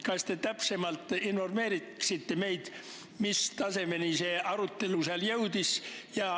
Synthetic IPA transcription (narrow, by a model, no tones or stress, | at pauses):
kɑst̪et̪æpse̞mɑlt̪ːˑinfo̞rme̞ːɾit̪ksit̪ːeme̞jd̪̥ | mist̪ɑse̞me̞niseːʔɑɾut̪ːe̞luseɑljewd̪̥isjɑ